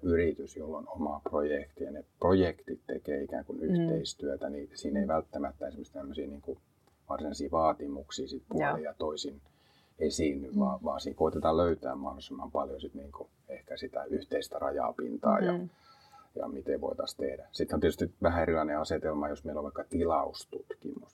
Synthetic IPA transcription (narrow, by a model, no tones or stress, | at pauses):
yrit̪ysjolːonomɑprojekt̪ijɑneprojekt̪it̪t̪ḛkeːikæ̰ːŋkunyht̪eist̪yøt̪ænisiːneiʋælt̪ːæmæt̪ːænsemːøst̪ːt̪æmːøsiːniːŋku | ʋɑrsinɑisiːʋɑːt̪imuksiːsit̪pulijɑt̪oisin | esinːyʋʋɑːʋɑːsiːŋkoit̪et̪ɑløyt̪æ̰ːmmɑhdosemːɑmpɑljosit̪niːŋku | ehkæsit̪æ̰yht̪eist̪ærɑjɑ̰pḭnt̪ɑ̰ːjjɑ̰ | jɑ̰mit̪eʋo̰it̪ɑst̪ehdæsit̪hont̪iet̪yst̪iʋæhæerilɑineɑset̪elmɑjosmeiloʋɑikːɑt̪ilɑust̪ut̪kḭmus